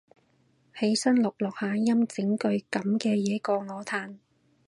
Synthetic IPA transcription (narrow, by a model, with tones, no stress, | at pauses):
he˨˥jsɐ˥nlʊ˨k̚lɔː˨k̚haː˨˧jɐ˥mt͡sɪ˨˥ŋkɵ˧ɥkɐ˨˥mkɛː˧jɛː˨˥kɔː˧ŋɔː˨˧˥t̪ʰaː˨˧n